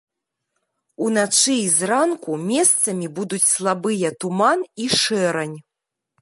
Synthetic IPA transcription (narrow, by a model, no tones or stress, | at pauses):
unat͡ʂɨizɾankumʲɛst̪sɐmʲibud̪ut͡sʲslˠabɨjɐt̪umaniʂɛɾɐnʲ